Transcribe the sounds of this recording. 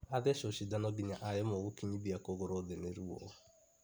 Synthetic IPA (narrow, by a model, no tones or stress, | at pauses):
adɛʃoʃidanɔbiɲaʔajɛmɔwokiɲĩbiakoɡoɾɔdɛneɾuwɔ̰